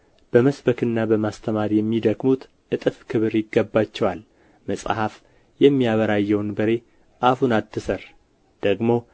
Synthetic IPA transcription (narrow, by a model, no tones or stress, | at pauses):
b̥əməsbəkɨnːabəmast̪ʰəmaɾjɛmːid̪əɡmut̪ | ʔɨt̪ʼɨfkʰɨβɨɾjɪɡːəbːat͡ʃːɛwal | məsʼhaf | jɛmːijaβəɾajːɛwnbəɾe̞ | ʔahunat̪ʰːɨsər | d̪̥əɡmo̞